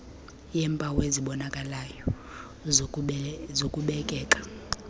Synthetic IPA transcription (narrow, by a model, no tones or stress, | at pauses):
jɛːmpʼaweziɓɔnakʼalajɔ | zokʼuɓɛkʼɛːkʼḁ